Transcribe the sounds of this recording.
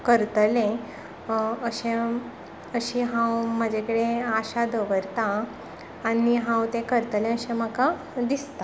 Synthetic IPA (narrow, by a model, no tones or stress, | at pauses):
kəɾt̪əlẽ | əɕẽ | əɕiɦãwmad͡ʑʱekəɽeaɕad̪əʋəɾt̪aː | niɦãwt̪ẽkəɾt̪əlẽəɕẽməka | d̪ist̪a